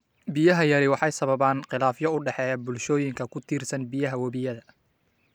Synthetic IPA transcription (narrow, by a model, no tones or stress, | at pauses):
bɪjɐɦɐjɐɾɪwɑħɑjsɐβɐβaːnqɪlaːfjɔʊɖɛħɛːjabʊlʃɔːjɪŋkʰɐkʰʊt̪ʰiːrsɐnbijɐɦɐwɐβijɐðɐ